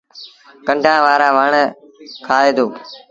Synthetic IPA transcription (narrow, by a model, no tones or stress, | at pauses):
kə̃ɳɖãːʋaːɾãːʋəɳə | kʰaːeːd̪oː